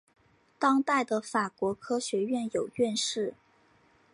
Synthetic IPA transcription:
t̪ɑ˥ŋt̪a˥˩ɪd̪ə˩fa˨˩kwɔ˧˥kʰɤ˥ɕɥɛ˧˥ɥɛ˥˩njo˨˩ʊɥɛ˥˧nʂɻ̩˥˩

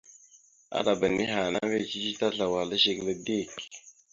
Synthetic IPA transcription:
a̰˦da˨bə˨ni˦ɦa˨na˦ve˦˨t͡ʃi˦t͡ʃi˦ta˦ɬa˨wa˨lə˦ʃe˦klə˦de˦˨k

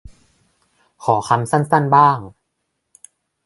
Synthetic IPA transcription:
kʰɔː˩˦kʰa˧msa˥˩nsa˥˩nbaː˥˩ŋ

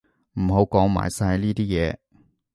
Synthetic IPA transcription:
m̩˨˩ɦo˨˧˥wkɔː˨˥ŋma̰ː˨˩jsɐ˧liː˥t̪iː˥jɛː˨˧

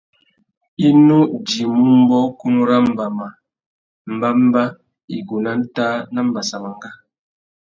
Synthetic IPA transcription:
i˦nu˦d͡ʒi˨mu˦m˦bɔ˦ku˦nu˦ɾa˦m̩˨ba˨ma˨ | m̩˨ba˦m̩˦ba˦ | ḭ˨ɡu˨na˦n̩˦taː˦na˦m̩˨ba˨sa˨ma˨ŋ˦ɡa˦

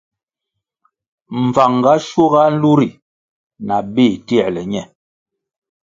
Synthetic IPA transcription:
ɱ̩˨va˨ŋɡa˦ʃo˦ɣa˦n̩˦lu˦ɾi˨ | na˨beː˦˨ti˦ɛ˨lɛ˨ɲɛ˦˨

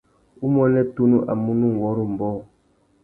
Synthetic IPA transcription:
u˦mɔ˦lɛ˦tu˦nu˦ʔa̰˨mu˦nu˦ŋ˨wɔ˦ɾu˦m̩˨bɔ˦˨

